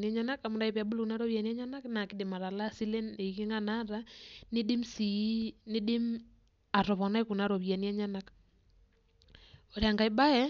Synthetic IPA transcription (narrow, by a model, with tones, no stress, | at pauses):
niɛ˦ɲa˦na˦ka˨mu˦nda˦i˨βja˨bu˦lu˦ku˨na˦ɾɔ˦βa˨ni˦ɛ˦ɲa˦na˦kna˨ki˦de˨ma˨ɾa˨la˦si˦lɛ˦ne˨i˨ki˦ŋa˦na˦ɾa˦nɪ˦ɗi˦msi˨˦nɪ˦ɗɪ˦m | a˨ɾɔ˨βɔ˨na˦i˦ku˨na˨˦ɾɔ˨βja˨ni˦ɛ˦ɲa˦na˦k | o˨ɾia˨ŋɡa˨i˦ɓa˦ɛ˦